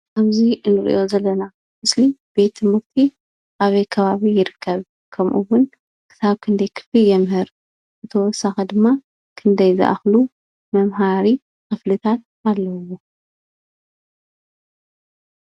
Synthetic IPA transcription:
ʔaβziɨnɨɾḭʔo̞zɐlːɐna | mɨslib̥e̞t̪ʰːɨmɨɾt̪ʰi | ʔaβɐjkʰɐβaβijɪɾɨkʰːɐβ | kʰɐmʔuwʊn | kʰɨ̥saβkʰɨnd̪ɐjkʰɨ̥flijɛmhɨɾ | ʔɨt̪ʰɐwɔsaxɐd̪ɨmːa | kʰɨnd̪ɐjzɨ̰ʔa̰xlu | mɐmɦaɾi | xɨflɨt̪ʰat̪̚ | alːɐwo

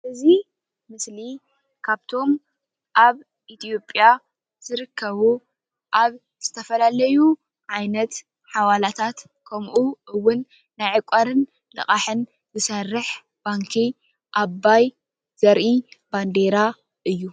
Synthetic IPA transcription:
ʔɨzi | mɨsli | kʰaβt̪ʰo̞m | ʔaβ | ʔit̪ʰijo̞pʼja | z̥ɨɾɨkʰːɐβu | ʔaβ | z̥ɨt̪ʰɐfɐlalɐju | ʕajnɐt̪ | ħawalat̪ʰat̪ | kʰɐmʔuʔɨwːʊnː | ajʕɨkʷʼaɾɨn | lɨ̰χʼaħɨn | zɨsɐrːɨħ | b̥aŋkʰi | ʔabːaj | z̥ɐɾʔiband̪e̞ɾa | ʔɨjːu

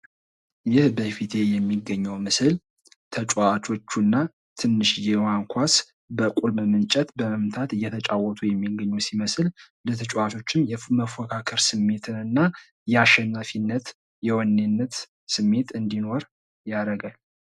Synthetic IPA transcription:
jɪhbəfit̪ʰe̞jɛmːiɡːəɲːəwmɨsɨl | t̪ʰət͡ʃʼat͡ʃʰo̞t͡ʃːunːa | t̪ʰɨnːɨʃjɛwaŋkʷʰas | bəkʼulmmɨnt͡ʃʼɛt̪bəməmt̪ʰat̪ɨjːɛt̪ʰət͡ʃʼawɔt̪ʰujɛmːiɡːəɲːusiməsl | lət̪ʰət͡ʃʼwat͡ʃʰo̞t͡ʃːɪnjɛməfɔkʰakʰəɾsɨmːe̞t̪ʰɨnɨnːa | jɛaʃːɛnːafinːət̪ | jɛwɔnːenːət̪ | sɨmːe̞t̪ɨnd̪ino̞ɾ | jaɾəɡal

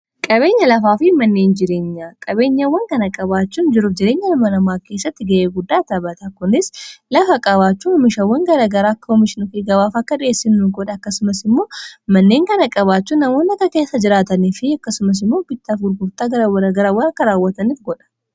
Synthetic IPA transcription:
kʼɐβe̞ːɲːɐlɐfaːfɪmɐnːe̞ːnd͡ʒɪɾe̞ːɲːaːkʼɐbe̞ːɲːɐwːɐŋkɐnɐkʼɐbaːt͡ʃːuːnd͡ʒɪɾʊfd͡ʒɪɾe̞ːɲːɐlɐmɐnɐmaːkeːsːɐt̪ːɪɡɐʔeːɡʊd̪ːaːt̪ɐbɐt̪ɐkʊnɪslɐfɐkʼɐβaːt͡ʃːuhɔmɪʃɐwːɐŋɡɐɾɐɡɐɾaːɐkːɐɔmɪʃɪnʊfɡɐβaːfɐkːɐᶑɪjeːsːɪnːuɡɔᶑɐːkːɐsʊmɐsɪmːo̞ːmɐnːe̞ːŋkɐnɐkʼɐβaːt͡ʃːuːnːɐmo̞ːnːɐkɐke̞ːsːɐd͡ʒɪɾaːt̪ɐniːfɪɐkːɐsʊmɐs̬ɪmːo̞ːbɪt̪ːafɡʊɾɡʊɾt̪aːɐɾwɡɐɾɐwːɐɾɐkːɐɾaːwːɐt̪ɐniːfɡɔᶑɐ̥

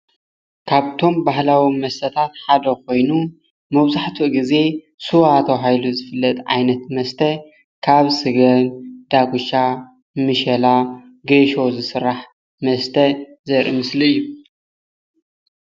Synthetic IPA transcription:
kʰaβt̪ʰo̞mbaɦlawimɐst̪ʰɐt̪ʰat̪ħad̪ɐko̞jnu | mɐβzaħt̪ʰuʔɡize̞ | suwat̪ʰɐɦajluzɨfɨlːɐt̪ʼʕa̰jnɐt̪mɐst̪ʰɐ | kʰaβsɨɡɐnd̪̥aɡuʃa | mɨʃɐla | ɡeʃo̞zɨsɨɾːaħ | mɐst̪ʰɐzɐɾḭmɨsliɨjːu

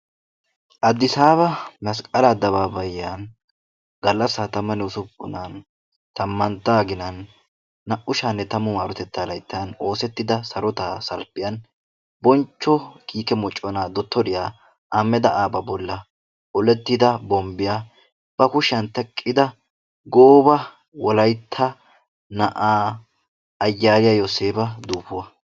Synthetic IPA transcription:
ʔɐd̪ːɪsaːbɐmɐskʼɐlɐd̪ɐβaːbɐjːan | ɡɐlːɐsːaːt̪ɐmːɐnɛʊsʊbːʊ̰nan | t̪ɐmːɐnt̪ːaːɡɪnɐnː | ɐʔʊʃaːnːɛt̪ɐmʊmaːɾɔt̪ɛt̪ːaːlɐjt̪ːɪjɐno̞ːsɛt̪ːɪd̪ɐsɐɾɔt̪aːsɐlpːɪjɐn | bɔnt͡ʃːɔkiːkɛmɔt͡ʃʼːɔnaːd̪ɔt̪ːɔɾɪjaː | ʔaːmːɛd̪ɐʔaːbɐbɔlːɐ | ɔlɛt̪ːɪd̪ɐbɔmbɪjaː | b̥ɐkʊʃɐnt̪ɛkʼːɪd̪ɐ | ɡoːbɐ | wɔlɐjt̪ʰːɐ | nɐʔaː | ɐjːaːɾɪjajoseːbɐd̪uːpːʊwɐ

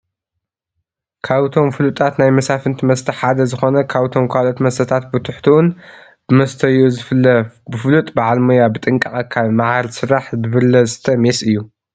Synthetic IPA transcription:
kʰaβt̪ʰo̞mfɨlut̪ʼat̪najmɐsafɨnt̪ʰimɐst̪ʰɐħad̪ɐzɨxo̞nɐkʰaβt̪ʰo̞mkʰalo̞t̪mɐst̪ʰɐt̪ʰat̪̚bɨt̪ʰʊħt̪ʰiwʊn | mɐst̪ʰɐjuz | bɨfɨlut̪ʼbaʕalmojabɨt̪ʼɨŋkʼɐχʼɐkʰalmaʕalsɨɾaħbɨβɨlːɐzɨt̪ʰɐmesʔɨjːu

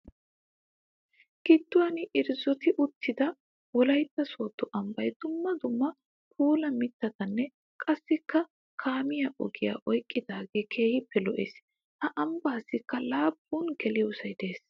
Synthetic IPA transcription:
ɡ̥ɪt̪ːʊwɐnɪʔɪɾzɔt̪ɪʔʊt̪ʰːɪd̪ɐ | wɔlɐjt̪ːɐsoːt̪ːɔʔɐmbɐjd̪̥ʊmːɐd̪ʊmːɐ | pʰuːlɐmɪt̪ːɐt̪ɐnːɛ | kʼɐsːɪkːɐ | kʰaːmɪjɐʔɔɡɪja̰ːʔɔjkʼːɪd̪aːɡeːkʰe̞ːhɪpʰːɛlɔʔḛːs | hɐʔɐmbaːsːɪkːɐlaːbːuːnkɛlɪjʊsɐjd̪e̞ːs

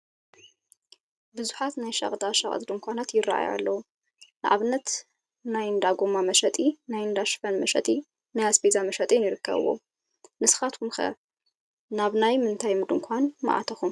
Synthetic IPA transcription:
bɨzuħat̪najʃɐ̰χʼd̪aʃɐ̰χʼd̪d̪ɨmkʷanat̪jɪra̰ʔa̰ja̰lːɐwu | nɨʔa̰βɨnːɐt̪ | najnd̪aɡʷomamɐʃɐt̪ʼinajnd̪aʃfɐnmɐʃɐ̰t̪ʼi | najaspʰezamɐʃɐt̪ʼinjɪɾɨkːɐ̰βɨ̰wo̰ | nɨsxat̪kʰumxɐ̰ | naβnajmɨnt̪ʰajmɨd̪ɨŋkʷʰanmɐ̰ʔa̰t̪ʰɐxum

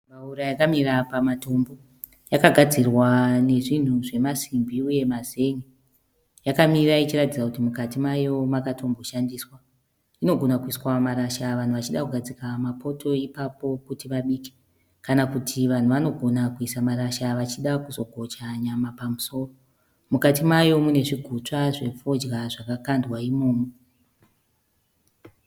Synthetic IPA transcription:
mauɾajakamirapamato̞mbo̞ | jakaɡʱad͡zirwane̞ʐin̤uʐe̞masimbʱiuje̞maze̞ŋe | jakamirait͡ʃiratid͡zakutimukatimajo̞makato̞mbo̞ʃandiːswa | ino̞ɡʱo̞nakuiswamaɾaʃaʋan̤uʋat͡ʃiɗakuɡʱad͡zikamapʰo̞tʰo̞ipapo̞kutiʋaɓiːke̥ | kanakutʰiʋan̤uʋano̞ɡʱo̞nakuisamaɾaʃaʋat͡ʃiɗakuzo̞ɡʱo̞t͡ʃaɲamapamuso̞ːro | mukatimajo̞mune̞ʐiɡʱut͡ʂaʐe̞p͡fod͡ʒraʐakakandwaimo̞ːmo

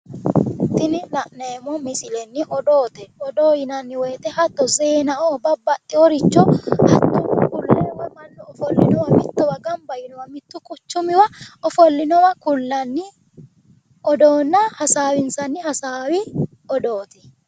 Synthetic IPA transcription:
t̪ɪnɪlɐʔneːmɔmɪsɪlɛnːɪʔɔd̪oːt̪ɛɔd̪oːjɪnɐnːɪwɛːt̪ɛhɐt̪ːɔzeːnɐʔɔbɐbɐt̪ʼːɪɔɾɪt͡ʃːɔhɐt̪ːʊkʊlːɛwɐmɐnːɔɔfɔlːɪnɔwɐmɪt̪ːɔwɐɡɐnbɐjɪnɔwɐmɪt̪ːʊkʼʊt͡ʃːʊmɪwɐɔfɔlːɪnɔwɐkʊlːɐnːɪ | ʔɔd̪oːnːɐhɐsaːwɪnsɐnːɪhɐsaːwɪ | ɔd̪oːt̪ɪ̥

